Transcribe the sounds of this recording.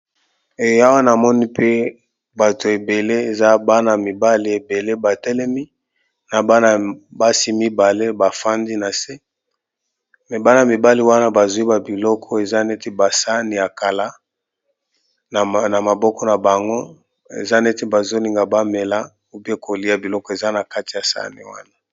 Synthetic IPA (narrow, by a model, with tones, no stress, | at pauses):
e˨˦a˦wa˦na˨mɔ˦ni˦pe˦ | ba˨to˨e˨be˨le˦e˨za˦ba˦na˨mi˨ba˦li˨e˨be˨le˦ba˨tɛ˦lɛ˦mi˦ | na˨ba˦na˨ba˦si˦mi˦ba˨le˦ba˨fa˦ndi˦na˨se˦ | mɛ˨ba˦na˨mi˨ba˦li˨wa˦na˦ba˨zu˨˦i˦ba˨bi˨lɔ˦kʰɔ˦e˨za˦nɛ˦ti˦ba˨sa˦ni˨a˨ka˨la˦˨ | na˨ma˨bɔ˦kɔ˦na˨ba˨ŋɡo˦ | ḛ˨za˦nɛ˦te˦ba˨zo˦li˨ŋɡa˨ba˦me˨la˦ | u˦bi˦e˦kʰo˨li˦a˨bi˨lɔ˦kɔ˦e˨za˦na˨ka˦ti˨ja˨sa̰˦nḭ˨wa̰˦na˦